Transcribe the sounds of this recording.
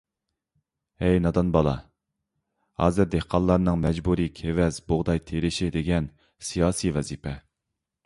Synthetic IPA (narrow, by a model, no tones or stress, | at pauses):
ɛjnɑd̪ɑnbɑlˠɑ̰ | hɑ̰ːzɨɾd̪ehqʰɑnlːˠɑɾnɨŋmɛd͡ʒbuɾikʲʰevɛzboʁd̪ɑjt̪ʰeɾɪʃid̪eɡʲɛn | sijɑːsivɛzipʰɛ